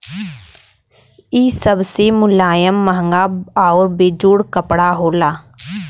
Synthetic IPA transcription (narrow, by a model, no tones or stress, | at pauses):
iːsəbsemʊlaːjəmːəɦə̃ŋɡaːaɔːɾbeːd͡ʒuːɽkəpɽaɦoːlaː